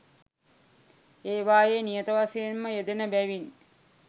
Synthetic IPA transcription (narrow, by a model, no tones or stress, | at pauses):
eːʋaːjenijət̪əʋasejenməjed̪enəbæʋin